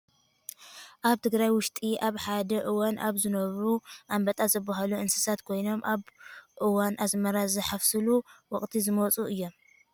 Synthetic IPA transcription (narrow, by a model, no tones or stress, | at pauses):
ʔaβt̪ʰɨɡɾajwʊʃt̪ʼiʔaβħad̪ɐʔɨwanʔa̰βzɨnɐβɾuʔambɐt̪ʼazɐbːaɦaluʔɨnsɨ̥sat̪kʰo̞jno̞mʔaβʔɨwanʔasmɐɾazɐħafsɨluwɔχʼt̪ʰizɨmot͡sʼuɨjːo̞m